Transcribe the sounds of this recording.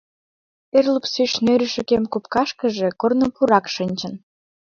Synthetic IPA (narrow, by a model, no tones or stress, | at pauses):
erlupsyʃnøɾəʃə̆kemkopkɑʃkəʒekornəpuɾɑkʃənʲt͡ɕə̆n